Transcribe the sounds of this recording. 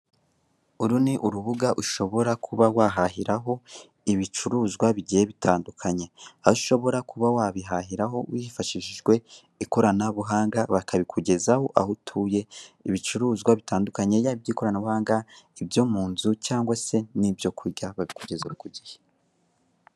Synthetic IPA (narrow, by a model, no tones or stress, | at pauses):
uɾuniʔuɾuβuɡaʔuʃo̞βo̞ɾakʰuβawaɦaɦiɾaɦo̞ | iβit͡ʃuɾuːzɡwaβiɟijeβitʰaːndukʰaɲe̞auʃo̞βo̞ɾakʰuβawaβiɦaɦiɾaɦo̞wifaʃiʃiʒɡwe̞ | iko̞ɾanaβuɦaːŋɡaβakaβikʰuɟe̞zaho̞ʔahutʰuːje̞iβit͡ʃuɾuːzɡwaβitʰaːndukaɲe̞jaβibjiːko̞ɾanaβuhaːŋɡaibjomuːnzucaːŋɡwase̞nibjo̞kʰuɟaβaβikuɟe̞zuβukuɟihe